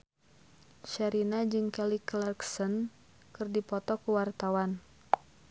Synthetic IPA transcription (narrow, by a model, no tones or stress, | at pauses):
ʃaɾinad͡ʒɨŋkɛliklarksən | kɨrdipɔt̪ɔkuwart̪awan